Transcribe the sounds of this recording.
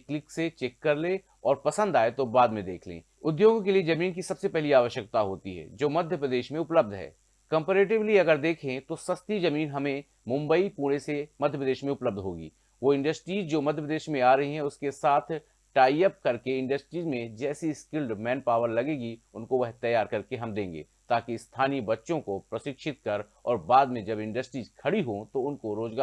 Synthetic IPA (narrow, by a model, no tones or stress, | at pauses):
klɪkset͡ʃɛːkːəɾlẽ | ɔːɾpɐsə̃nd̪aːet̪obaːd̪mẽd̪ḛːkʰlḛ̃ː | ʊd̪joːɡkelied͡ʒɐmiːnkisɐbsepɛɦliaːʋəʃjək̚t̪aɦo̰ːt̪ḭɦɛ̰ːd͡ʒoːmɐd̪ʱjəpɾəd̪eːʃmẽʊpləb̚d̪ʱɦɛ̰ː | kə̃mpeɾeːʈ̬ɪbliɐɡəɾd̪eːkʰẽt̪osɐst̪id͡ʒɐmiːnɦɐmẽ | mʊ̃mbəipuːɽ̃esemɐd̪ʱjəpɾəd̪eːʃmẽʊpləb̚d̪ʱɦo̰ːɡḭː | ʋoɪ̃ɳɖəsʈɾiːzd͡ʒoːmɐd̪ʱjəpɾəd̪eːʃmẽaːɾɐɦiɦɛ̃ʊskesaːt̪ʰ | ʈaːijəp̚kɐɾkeɪ̃ɳɖəsʈɾiːzmẽd͡ʒɛːsiskɪlɖmɛ̃ːnpaːʋəɾlɐɡẽːɡiʊnkoʋɐɦt̪ɐjaːɾkɐɾkeɦɐmd̪ẽːŋɡḛːt̪aːkist̪ʰaːnibɐtːʃõkopɾɐʃɪkʃɪt̪kɐɾ | ɔːɾbaːd̪mẽd͡ʒɐbɪ̃ɳɖəsʈɾiːzkʰɐɽiɦot̪oʊnkoɾoːd͡ʒɡaː